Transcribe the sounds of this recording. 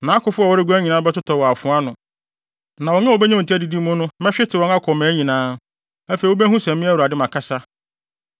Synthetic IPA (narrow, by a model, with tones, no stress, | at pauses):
nã˨˦kʊ˨fʊ˦ɔ˨wɔ˦ɾɪ˦ɡu˦æ˦ɲĩ˨nã˦bɛ˦tʊ˦tʰɔ˨wɔ˨a˨fʊ̃˨˦a˦nʊ̃˨ | nã˨wɔ˨ɲã˦wo˨bɛ˦ɲã˦˨tʰi˦æ˦˨di˨di˦mʊ̃˦nʊ̃˦mɛ̃˦ɕᶣɪ˦tʰɪ˨wɔ̃˨˦ŋa˦kʰɔ˨mæ̃ː˨˦ɲĩ˨nãː˦ | æ˦fe˨i˨wo˦bɛ˦ɦũ˦sɛ̃˨m˦mɪ̃˦æ˦wu˨a˨dɪ˦mã˨kʰa˦sa˦